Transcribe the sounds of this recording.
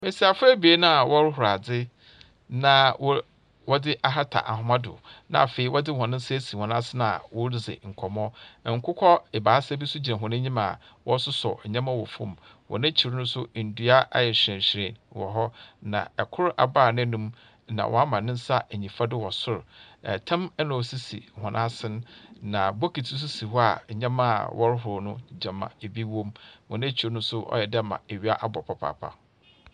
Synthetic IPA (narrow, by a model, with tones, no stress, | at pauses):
mẽ˨si˨a˨fʊ˦æ˦bi˨e˦nã˦˨wɔ˦ɾɦʊ˨ɾa˨d͡zɪ˦ | nã˨wɔ˦ | wɔ˦dɪ˦ʔa˨ɦa˦tʰa̰˨ʔa˨ɦʊ̃˨mã˦dʊ̰˨nã̰˨fe˨i˦wɔ˦dɪ˦hɔ̃˨nɪ̃˦n̩˦sæ˦sĩ˨hɔ̃˨n˦ã˦sɪ˦nã˨wɔ˦ɾzḛ˨ŋ̩˨kʰɔ˨mɔ̃˦˨ŋ̩˨kʰʊ˦kʰɔ˦ɪ˨baː˨˦sa˦bi˦sʊ˦d͡ʑi˨nã˨ɦɔ̃˨nɪ̃˦ɲĩ˦mã̰ː˨ | wʔɔ˦sʊ˦sɔ̰˨ɲã˦mã˦wɔ˨fṵ̃˦˨m | wɔ̰˨nɪ̃˦t͡ɕʰi˨ɾʊ̃˦sʊ˦˨n̩˨du˨a˦ʔa̰˦jɛ˨ɕᶣɾɛ̃˨ɲ˨ɕi˨ɾḛ̃˨nwɔ̰˨ɦɔ˦nã̰˨ɛ˨kʰʊ˦ɾʔa̰˨baː˦˨nɪ̃˦nũ˦m | nã̰˨wɔ̰˨˦a˦mã˨nɪ̃˦n̩˦sa˦ʔɲĩ˨fa˦dɪ˦wɔ˨sʊ˦ɾɛ̰˨tʰã˦mɛ˦nʊ̃˨wsi˦sḭ˨hʊ̃˨nʔã̰˦sɪ̃˦nnã˨bo˦kʰi˨tʰi˦s̬u˦si˨hɔ˦a̰˨ɲã˦mã̰˦˨wʔɔ˦ɾɦʊ˨ɾʊ˨nʊ̃˦d͡ʑã˨mã̰˨e˨bi˦wõ˦mwɔ̰˨nɛ̃˦t͡ɕʰi˨˦nʊ̃˦sʊ˦ʔɔ̰˦jɛ˨dɛ˦mã̰˨e˨ɥi˦a˦ʔa˦bɔ˨pʰa˨pʰa̰˨pʰa̰˨